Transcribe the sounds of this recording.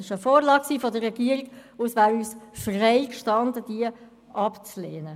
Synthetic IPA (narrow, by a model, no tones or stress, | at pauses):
ɪʃəfoːɾlɑːk̚ksiːfɔdərːɛɡiəɾiɡ̥ʊsʋæːɾyːsfreɪkʃtɑndəd̥iə | ʔɑpt͡sleːnə